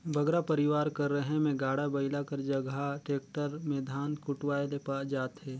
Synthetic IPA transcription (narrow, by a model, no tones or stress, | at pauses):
bʱɐɡɾapɐɾɪʋaːɾkɐɾːəɦemẽɡaːɽabɐɪlakɐɾd͡ʒɐɡaʈeːk̚ʈəɾmẽd̪ʱaːnkʊʈwaːelepaːd͡ʒaːt̪ɦɛː